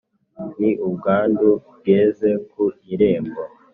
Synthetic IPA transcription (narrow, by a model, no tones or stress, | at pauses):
niubɡaːndub̚ɡeːze̞kuiɾe̞ːmbo